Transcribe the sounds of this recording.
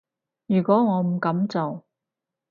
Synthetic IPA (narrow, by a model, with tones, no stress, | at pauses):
jyː˨˩kʷɔː˨˥ŋɔː˨˧m̩˨˩kɐ˨˥mt͡so˨w